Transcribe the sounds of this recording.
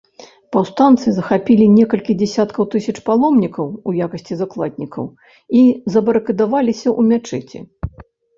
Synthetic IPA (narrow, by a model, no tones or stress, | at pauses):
pɐwst̪ant̪sɨzɐxapʲilʲinʲɛkɐlʲkʲid͡zʲɛsʲat̪kɐwt̪ɨsʲɐt͡ʂpalˠɔmnʲikɐwujakɐsʲt͡sʲizaklˠa̰d̪ʲnʲikɐ̰w | izɐbɐɾɨkɨd̪avalʲisʲɐʔumʲat͡ʂɛt͡sʲḭ